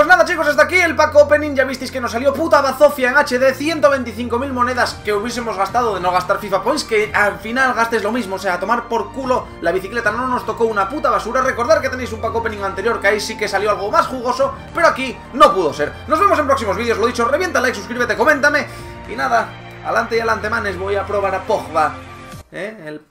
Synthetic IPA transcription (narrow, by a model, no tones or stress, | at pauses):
ppweznaðat͡ʃiko̞sast̪akie̞lpakope̞nĩŋʝaβist̪e̞jske̞no̞saljo̞put̪aβaθo̞fjaeŋat͡ʃe̞ðeθje̞nt̪o̞βe̞jnt̪iθiŋko̞milmo̞ne̞ðaskeuβjesemo̞zɣast̪að̞oðe̞noɣ̞ast̪aɾfifapojskealfinalɣast̪ezlo̞mizmoːseat̪o̞maɾpo̞ɾkulo̞ | laβ̞iθikle̞t̪anõ̞no̞st̪o̞ko̞unaput̪aβasuɾare̞ko̞ɾðaɾke̞t̪enejs̬umpakope̞nĩŋãnt̪e̞ɾjo̞ɾkeaisike̞saljo̞alɣo̞masxuɣo̞so̞ | pe̞ɾoaki | no̞puðo̞se̞ɾno̞zβemos̬empɾoksimo̞zβiðo̞zlo̞ðit͡ʃoreje̞nt̪alajks̬uskɾiβe̞t̪eko̞mẽnt̪ame̞ | ḭnaða | a̰lant̪ejalant̪e̞manezβo̞japɾo̞β̞aɾapoxβa | eel